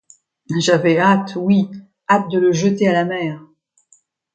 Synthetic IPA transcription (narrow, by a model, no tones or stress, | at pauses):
ʒavɛat̪wi | at̪̚d̪ələʒət̪ealamɛːʁ